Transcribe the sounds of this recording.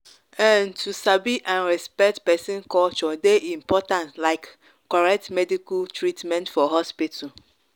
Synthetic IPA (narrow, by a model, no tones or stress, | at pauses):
ɛ̃ntʰusabiʔãnɹɛspɛk̚tpɛsĩnkɔlt͡ʃɔdeʔĩm̩pɔtãntlaɪkː | ɔɹɛk̚tmɛdikutʰɹitmɛ̃ntfɔɦɔspitu